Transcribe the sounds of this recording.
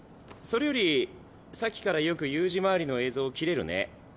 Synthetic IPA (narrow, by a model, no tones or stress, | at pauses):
so̞ɾe̞jo̞ɾʲi | sakʲi̥kaɾajo̞kɯ̟jɯ̟ːʑimaːɾʲino̞e̞ːzo̞ːkʲiɾe̞ɾɯ̟̰ne̞̰